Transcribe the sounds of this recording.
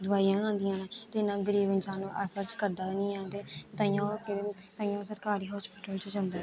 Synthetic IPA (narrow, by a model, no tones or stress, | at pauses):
d̪ʊaːijãːãːnd̪ɪjãːnãːt̪eɪnãːɡəɾiːbɪnsãːnũːʔɛːpʰəɾskəɾd̪aːnĩːãːnd̪eːt̪ãːjãːkt̪ãːjãːsəɾkaːɾiːɦɔːspiːʈəlt͡ʃod͡ʒãnd̪eː